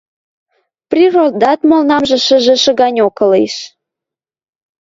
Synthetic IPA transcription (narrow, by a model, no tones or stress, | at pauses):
prʲirod̪ɑt̪molnɑmʒĕʃə̆ʒĕʃə̆ɣɑnʲokɤ̆liʃ